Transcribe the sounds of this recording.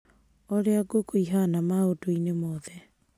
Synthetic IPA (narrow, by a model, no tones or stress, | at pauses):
ɔɾeaɡokoiɦanamaotoinemɔðɛ